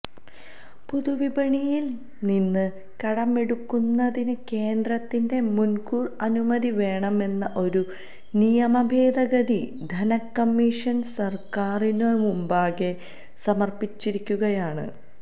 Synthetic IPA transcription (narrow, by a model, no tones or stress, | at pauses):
puðuʋibɐɳijil | ninːɨ | kɐɽɐme̞ɽukːunːɐðinɨke̞ːnd̪rɐt̪ːinde̞munkuːrɐnumɐðiʋe̞ːɳɐme̞nːɐʔo̞ɾu | nijɐmɐbʱe̞ːd̪ɐɡɐd̪id̪ʱɐnɐkːɐmːiʂɐnsɐrkaːrinoːɻmumbaːɣe̞ | sɐmɐrpit͡ɕːiɾikʲːuɣɐjaːɳɨ̰